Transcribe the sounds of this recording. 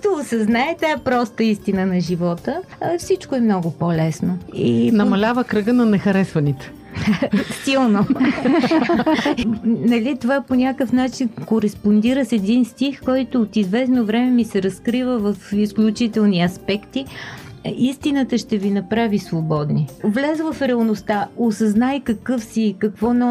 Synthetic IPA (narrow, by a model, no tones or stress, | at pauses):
t̪oːsɐznaɛt̪aɛpɾɔst̪əist̪inənɐʒivɔt̪ə | fsit͡ʃkoɛmnɔɡopolɛsnoinɐmɐlʲavəkɾɤɡənɐnɛxɐɾɛsvɐnit̪ɛ̥ | silˠno | nɐlit̪ovaponʲakəfnat͡ʃinkoɾɛspond̪iɾəsɛd̪inst̪ixkɔjt̪oːt̪izvɛsnovɾɛmɛmisɛɾɐskɾivəvəfisklʲut͡ʃit̪ɛlˠniɐspɛkt̪i | ist̪inət̪əʃt̪ɛvinɐpɾavisvobɔd̪nivlɛzəvɐfɾʲɛəlˠnost̪aosɐznajkɐkɤfsikɐkvɔnɔ